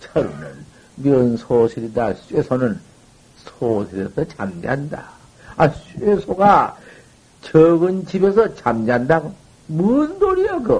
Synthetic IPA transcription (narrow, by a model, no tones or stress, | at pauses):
t͡ɕʰaɾunɯn | mjʌnsʰoɕʰiɾidaɕʰuesʰonɯn | sʰosʰiɾesʰʌt͡ɕa̰md͡ʑɦanda̰ | aɕʰuesʰoɡa | t͡ɕʌɡɯnt͡ɕibesʰʌt͡ɕamd͡ʑandaɡo | mundoɾijokɯ